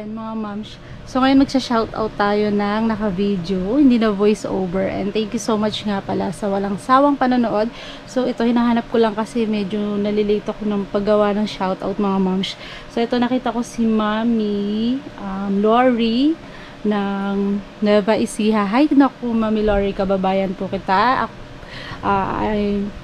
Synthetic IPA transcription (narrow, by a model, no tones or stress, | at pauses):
nmɐŋamamʃ | so̞ŋɐjonmɐɡ̚sɐʃawt̪ʔa̰wt̪ːaːjo̞nɐŋnɐkɐvid̪johɪnd̪iːnɐvojsʔo̰wbɛɹʔɛ̰̃nd̪t̪ɛŋkjusowmat͡ʃŋapɐlasɐwɐlaŋsaːwɐŋpɐnonoʔo̞d̪̚ | so̞ʔɛt̪o̞hɪnaːɦaːnɐp̚kolɐŋkɐsɛmɛd͡ʒo̞nɐlɪleːt̪oɐko̞nɐŋpɐɡɐwanɐŋʃawt̪a̰wt̪̚mɐŋamamʃ | soʔɛt̪o̞nɐkiːt̪ɐko̞simamiʔamloɹi | nɐŋ | nɐbɐʔɪsiːhaɦajnokʊmamiloɹikɐbɐbaːjɐnpʊkɪt̪aʔɐ | ʔaaj